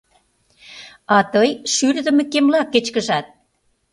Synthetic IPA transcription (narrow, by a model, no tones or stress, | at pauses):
ɑt̪ɤjʃyɾd̪ə̆mĕkemlɑkːet͡ɕkə̆ʒɑt̪̚